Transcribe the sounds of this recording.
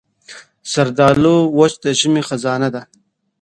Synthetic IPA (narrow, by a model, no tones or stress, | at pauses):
sɐɾd̪ɑːlowot͡ʃd̪əʒimixazɑːnad̪a